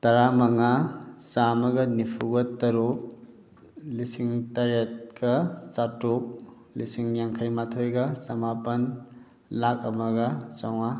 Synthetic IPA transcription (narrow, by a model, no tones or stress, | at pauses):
tɐɾamɐŋasamɐɡɐnipʰuɡɐtɐɾup̚ | lisiŋtɐɾet̚kɐsatup̚ | lisiŋjaŋkʰajmatʰojɡɐsɐmapɐn | lak̚ɐmɐɡɐsaŋa